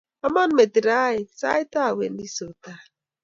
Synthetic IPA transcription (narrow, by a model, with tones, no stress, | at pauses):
a˦mɔ˦n̩˦me˨ti˨ɾa˦ɪ˨sa̰˦ɪ˦ta˦˨wḛ˨n̩˦i˦so˨ta˦˨